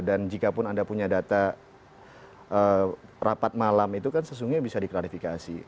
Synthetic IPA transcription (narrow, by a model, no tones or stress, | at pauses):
dand͡ʒikapʊnandapuɲadat̪a | ʔərapat̪̚malamit̪ukansəs̬uŋɡuɲbisadiklaɾifikasḭ